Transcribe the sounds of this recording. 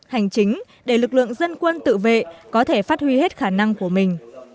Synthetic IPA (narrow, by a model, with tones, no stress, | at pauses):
ha˨˩jŋ̟t͡ɕï˨˦ŋ̟ | ɗe˧˩lɨ˨˩k̚lɨ̰˧˨əŋzə˧nkwə˧nt̪ɨ̰˧˨vḛ˧˨kɔ˨˦t̪ʰe˧˩faː˦˥t̚hwi˧he˦˥t̚xaː˧˩na˧ŋku˧˩əmï˨˩ŋ̟